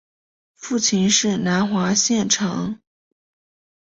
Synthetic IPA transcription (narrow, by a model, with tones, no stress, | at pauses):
fu˥˩t͡ɕʰi˧˥nʂɻ̩˥˩na˧˥nxwa˧˥ɕjɛ˥˩nʈ͡ʂʰɑ̰˧˥ŋ